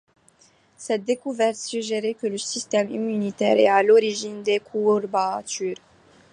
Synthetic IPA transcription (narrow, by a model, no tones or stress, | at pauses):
sɛt̪̚d̪ekuvɛrt̪syʒeɾekələsist̪ɛmimynit̪ɛ̰ɾealoɾiʒind̪ekʰuɾbat̪yɾ